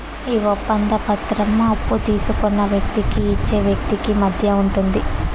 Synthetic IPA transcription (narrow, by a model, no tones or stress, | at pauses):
iːʋopːɐnd̪ɐpɐt̪ɾɐmɐpːut̪iːsukɔnːɐʋjɐk̚t̪ikiːt͡ʃːe̞ːʋjɐk̚t̪ikimɐd̪ʱjɐuɳʈund̪i